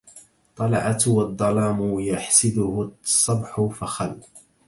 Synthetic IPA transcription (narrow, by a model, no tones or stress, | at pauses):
t̪ˤɑlɑʕat̪wɑd̪ˤːɑlɑːmʊjaħsɪd̪ʊhʊsˤːɑbħʊfaxal